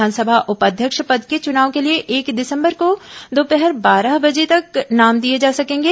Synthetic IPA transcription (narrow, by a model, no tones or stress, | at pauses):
aːnsəbʱaʔʊpəd̪ʱjəkʃpɐd̪ket͡ʃʊnaːʋõkelieʔeːkd̪ɪsə̃mbəɾkod̪oːpɛɦɛɾbaːɾaɦbɐd͡ʒet̪ɐknaːmd̪ied͡ʒaːsɐkẽːŋɡeː